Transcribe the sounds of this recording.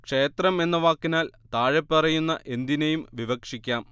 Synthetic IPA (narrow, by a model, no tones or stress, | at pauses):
kʂe̞ːt̪rɐme̞nːɐʋaːkːinaːlt̪aːɻepːɐrɐjunːɐʔe̞nd̪inejumʋiʋɐkʂikʲːaːm